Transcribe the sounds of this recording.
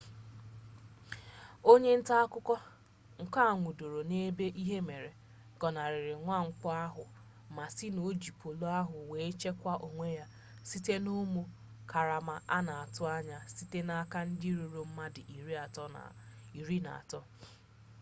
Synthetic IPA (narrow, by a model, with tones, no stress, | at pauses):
o˦ɲe˦n̩˦ta˦a˦kʊ˦kɔ˦ | ŋ̩˨ka˦˨ŋʷu˨do˨ɾo˨ne˦be˦ʔi˦ɦe˦me˨ɾe˨ | ɡ̥ɔ˨na˨ɾɪ˨ɾɪ˨ŋʷa˦˨ŋ̩˨k͡pɔ˦a˦ɦʊ˨ | ma˨sɪ˦no˨d͡ʒi˨po˨lo˦a˦ɦʊ˨we˨e˦t͡ʃe˦kʷa˦ʔo˨ŋʷe˦ja˦ | si˦te˦nu˦mu˦ | ka˨ɾa˨ma˨ʔa˦na˨a˨tʊ˦a˦ɲa˨si˦te˦na˦ka˦n̩˦dɪ˦ɾu˨ɾo˨m̩˦ma˦dɪ˨ʔi˨ɾi˦a˨tɔ̰˦˨i˨ɾi˦na̰˨a̰˨tɔ˦